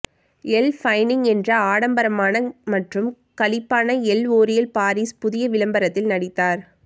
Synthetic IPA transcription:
ɛlfɐɪnɪŋɛndrɐaːɽɐmbɐɾɐmaːnɐmɐʈrɯm | kɐlɪpːaːnɐɛloːɾɪjɐlpaːɾiːspʊðɪjɐʋɪlɐmbɐɾɐt̪ːɪlnɐɽɪt̪ːaːɾ

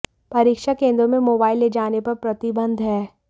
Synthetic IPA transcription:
pɐɾiːkʃakẽːnd̪ɾõmẽmoːbaːɪlːed͡ʒaːnepɐɾpɾɐt̪ɪbə̃nd̪ʱɦɛː

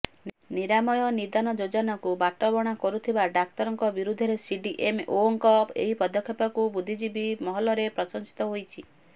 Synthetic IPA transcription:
niɾamɔjɔnid̪anɔd͡ʒod͡ʒɔnakubaʈɔbɔɽ̃akɔɾut̪ʰibaɖak̚t̪ɔɾɔŋkɔbiɾud̪ʱːɔɾesiɖiʔemoŋkɔpḛɦipɔd̪ɔkʰːjɔpakubud̪ʱid͡ʒibimɔɦɔlɔɾepɾɔsɔŋsi̥t̪ɔɦojt͡ʃʰi

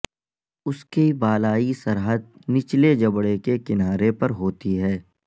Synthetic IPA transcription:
ʊskibaːlaːisɐɾɦəd̪̚nɪt͡ʃled͡ʒɐbɽekekɪnaːɾepɐɾɦoːt̪iɦɛː

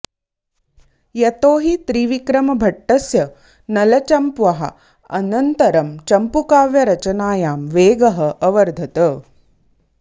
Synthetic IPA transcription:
jɐt̪oːɦit̪ɾiʋikɾɐmɐbʱɐʈːɐsjɐ | nɐlɐt͡ʃɐmpʋɐɦɐ̰ | ɐ̰nɐnt̪ɐɾɐmt͡ʃɐmpukaːʋjɐɾɐt͡ʃɐnaːjaːmʋeːɡɐɦɐʔɐʋɐɾd̪ʱɐt̪ɐ

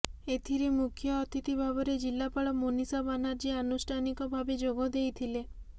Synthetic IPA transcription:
et̪ʰiɾemukʰjɔːt̪it̪ibʱabɔɾed͡ʒilːapaɭɔmonisabanaɾd͡ʒianusʈʰanikɔbʱabed͡ʒoɡɔd̪ejt̪ʰile

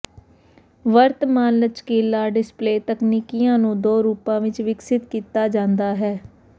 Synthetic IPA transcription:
ʋəɾt̪maːnət͡ʃkeːlːaːɖɪspleːt̪əkniːkijãːnũːd̪oːɾuːpãːʋɪt͡ʃʋɪksɪt̪kiːt̪aːd͡ʒãːnd̪aːɦɛː

